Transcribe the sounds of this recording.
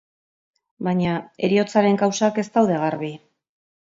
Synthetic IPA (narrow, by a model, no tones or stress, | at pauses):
baɲae̞̰ɾio̞t͡saɾe̞ŋkawsake̞st̪awðe̞ɣarβi